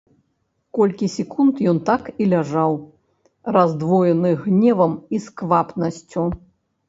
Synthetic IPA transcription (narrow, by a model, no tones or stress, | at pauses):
kɔlʲkʲisʲɛkunt̪jɔnt̪akilʲaʐaw | razd̪vɔjɛnɨɣnʲɛvɐmiskvapnɐsʲt͡sʲu